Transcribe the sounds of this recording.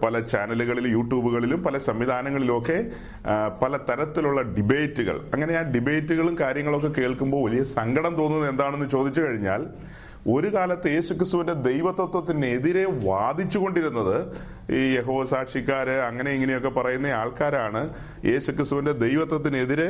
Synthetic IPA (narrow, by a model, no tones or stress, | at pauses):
pɐlɐt͡ɕaːnɐluɣɐɭilumjuːʈjuːbuɣɐɭilumpɐlɐsɐmʋid̪ʱaːnɐŋːɐɭilumo̞kːe̞ | pɐlɐt̪ɐɾɐt̪ːiluɭːɐɖibeːtːuɣɐ̰ɭɐŋːɐneaːnɖibe̞ːtːuɣɐɭumkaːɾjɐŋːɐɭo̞k̬ːe̞ke̞ːɭkumbo̞ːʋɐlijɐsɐŋɡɐɽɐmt̪oːnːunɐðe̞nd̪aːɳe̞nːut͡ɕo̞ːd̪it͡ɕːukɐɻiɲːa̰ːl | o̞ɾukaːlɐt̪ːɨje̞ːsukrist̪uʋinde̞d̪e̞jʋɐt̪wɐt̪ːwɐt̪ːine̞ðiɾe̞ʋaːd̪ʱit͡ɕːuɣo̞ɳɖiɾunːɐðɨ | jeɦo̞ːsaːʈʂikʲːaːɾɨɐŋːɐne̞iŋːɐnejo̞kːe̞pɐrɐjunːɐaːɭkaːɾaːɳɨ | jʔe̞̰ːɕukrist̪uʋinde̞d̪e̞jʋɐt̪wɐt̪̬ːine̞ðiɾe